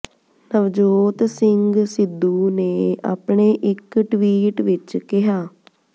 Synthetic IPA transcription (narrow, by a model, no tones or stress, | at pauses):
nəʋd͡ʒoːt̪sɪŋɡsɪd̪ːuːneːa̰ːpɳeːʔɪkʈʋiːʈʋɪt͡ʃkɪɦaː